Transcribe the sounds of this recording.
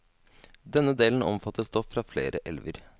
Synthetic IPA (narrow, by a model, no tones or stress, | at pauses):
d̪ɛnːəd̪eːln̩ɔmfɑt̪ːəst̪ɔfːɾɑːflḛːɾʔəʔɛlʋəɾ